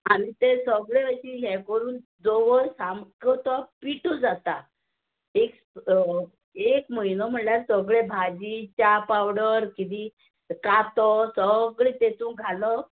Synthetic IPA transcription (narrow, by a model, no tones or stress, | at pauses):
aɽ̃it̪esəɡɭeəɕiːɦɛ̃kəɾuːnd͡zoʋəɾsamkɔt̪ɔpiʈɔd͡zat̪a | eks | ekməinɔm̤əɳljaɾsəɡɭebʱad͡ʑit͡ɕapawɽəɾkit̪i | kat̪ɔsəɡɭet̪et̪ũŋkɡʱalɔ